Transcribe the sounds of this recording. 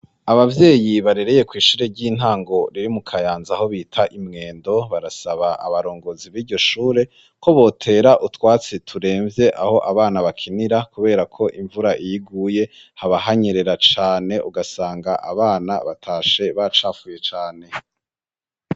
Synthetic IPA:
aβavje̞ːjiβaɾe̞ɾe̞je̞kwiːʃuɾe̞ɾɟiːn̥haːŋɡo̞ɾiɾimukʰajaːnzaho̞βiːtʰaʔimŋe̞ːndo̞βaɾasaβaʔa̰βaɾo̞ːŋɡo̞ziβiːɾɟo̞ʃuːɾe̞ | ko̞βo̞tʰe̞ːɾaʔutwaːt͡sitʰuɾe̞ːɱvje̞ʔaho̞ʔaβaːnaβakʰiniɾakuβe̞ːɾakʰo̞ʔiɱvuɾaʔijiɡuje̞ | haβaɦaɲeɾe̞ɾat͡ʃaːne̞ʔuɡasaːŋɡaʔaβaːna̰βa̰tʰaːʃe̞βat͡ʃaːfuje̞t͡ʃaːne̞

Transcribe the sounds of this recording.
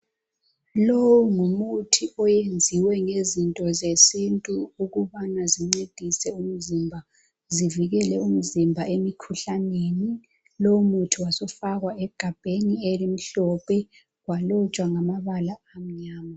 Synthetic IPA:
lɔwŋumutʰiɔjend͡zʱiwɛŋezintʼɔzesintʼuuɣuβanaziŋ͡ǀed̥ʱisɛum̩zimbʱa | ziviɣɛlɛum̩zimbʱaʔemikʰuɬaneni | lɔmutʰiwasɔfaɣwaɛɡ̥ʱab̥ʱenielim̩ɬɔpʰɛ | walɔt͡ʃʼwaŋamaβalaam̩ɲaːma

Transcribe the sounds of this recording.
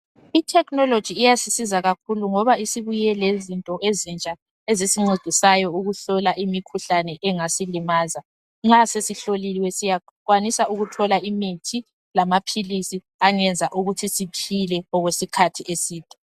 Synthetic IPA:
itʰɛknɔlod̥ʒ̥ʱiːjasisizaɣak̚ʰuluŋɔβaisiβujɛlezintʼɔʔezint͡ʃʼa | ezisiŋ͡ǀiɡ̥ʱisajɔuɣuɬɔlaʔimikʰuɬanɛʔɛŋasilimaːza | ŋ͡ǁasesiɬolilwɛsija | ɣwanisauɣutʰɔlaimitʰi | lamapʰilisi | aŋɛnd͡zʱaʔuɣutʰisipʰilɛɔɣwesikʰatʰiesiːd̥ʱʼɛ̥

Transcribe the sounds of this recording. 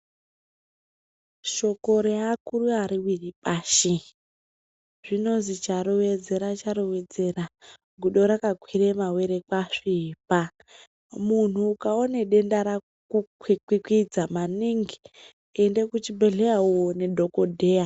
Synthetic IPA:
ʃo̞ko̞ɾeakuruaɾiwiripaʃi | ʐ̥ino̞zit͡ʃaɾuwed͡ze̞ɾat͡ʃaɾowe̞d͡ze̞ra | ɡʱuɗo̞ɾakaɡʱwiɾemaweɾe̞kwaʂipa | mun̤uːkaoneɗe̞ndaɾa | kukwikwikwid͡zamaniŋɡi | ende̞kut͡ʃibʱeɮeauwone̞dʱo̞ko̞dʱeːja

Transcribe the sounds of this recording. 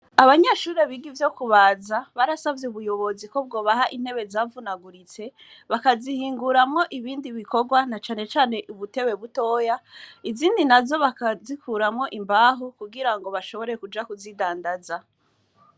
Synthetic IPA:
aβaɲaʃuːɾe̞βiɡivjo̞kuβaːzaβaɾasavjeuβujo̞βo̞ziko̞b̚ɡo̞ːβaɦaʔin̥he̞βe̞zaːvunaɡuɾit͡se̞ | βakazihiːŋɡuɾamŋo̞ʔiβiːndiβiko̞ɡwanat͡ʃaːne̞t͡ʃaːne̞ʔuβute̞βe̞βuto̞ːjaiziːndinazo̞βakazikuɾamŋo̞ʔimbaɦokuɡiɾaŋɡo̞βaʃo̞βo̞ɾe̞kud͡ʒakuzidaːndaza

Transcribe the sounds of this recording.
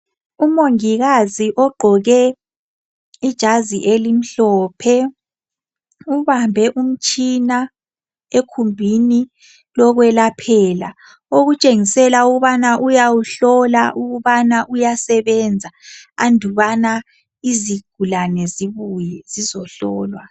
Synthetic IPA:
umoŋiɣaziʔɔɡ͡ǃʱɔɣɛ | id̥ʒ̥ʱaziʔelim̩ɬɔːpʰɛ | uβambʱɛʔum̩t͡ʃʼina | ekʰumbʱini | lɔɣwɛlapʰɛːla̰ | oɣut͡ʃʼeŋisɛlauɣuβanaʔujawuɬɔla̰ʔuɣuβanaʔujasɛβɛːnd͡zʱaːndʱuβana | iziɡ̥ʱulanɛziβujɛzizɔɬɔːlwa

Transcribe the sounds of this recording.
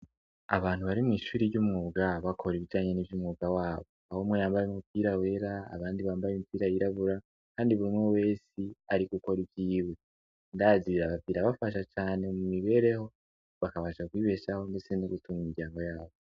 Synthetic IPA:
a̰βaːn̥huβaɾimŋiːʃuːɾiɾɟumŋuɡaβakʰo̞ɾiβid͡ʒaːɲe̞nivjuːmŋuɡawaːβo̞ahomŋejaːmbajeumupiɾawe̞ɾaa̰βaːndiβaːmbajimpiːɾajiɾaβuɾa | kaːndiβuɾimŋewe̞ːsiaɾiɡuko̞ɾibjiːwe | ndaziβiɾaβapiːɾaβafaʃat͡ʃaːne̞mumiβe̞ɾe̞ho̞ | βakaβaːʃakwiːβe̞ʃaho̞nde̞t͡se̞noɡutumimiɾɟaːŋɡo̞jaːβo

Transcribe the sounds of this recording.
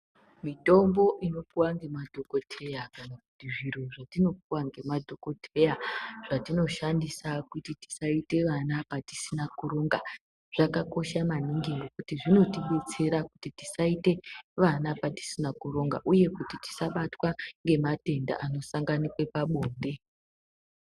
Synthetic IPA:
mito̞mbo̞ʔino̞puwaŋɡe̞madʱo̞ko̞tʰe̞jakanakutiʐiroʐatino̞puwaŋɡe̞madʱo̞ko̞tʰejaʐ̥atino̞ʃandisakutiti̥saite̞ʋanapati̥sinakuɾo̞ŋɡa | ʐ̥akako̞ʃamaniŋɡiŋɡokutiʐino̞tiɓe̞t͡se̞ɾakutitisaite̞ʋanapati̥sinakuro̞ŋɡa̰ʔuje̞kutiti̥saɓatwaŋɡe̞mate̞nda̰ʔano̞saŋɡanikwepaɓoːmbe̞

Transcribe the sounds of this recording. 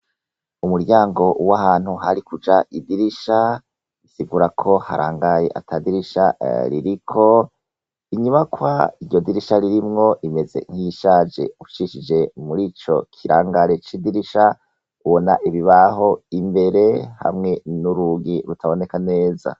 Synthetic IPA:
umuɾɟaːŋɡo̞wahaːn̥huɦaɾikud͡ʒaʔidiɾiʃa | isiɡuɾakʰo̞ha̰ɾaːŋɡajḛʔa̰tʰadiɾiʃa̰ɾḭɾikʰo̞ | iɲuβakwa̰iɾɟo̞diɾiʃaɾiɾimŋo̞ʔime̞ze̞̰ŋ̥hiʃad͡ʒe̞̰uʃiʃid͡ʒe̞muɾit͡ʃo̞̰kʰiɾaːŋɡaɾe̞t͡ʃidiɾiʃa | uβo̞naʔiβiβaɦo̞imbe̞ɾe̞ha̰mŋe̞nuɾuɡiɾutʰaβo̞ne̞kane̞ːza̰

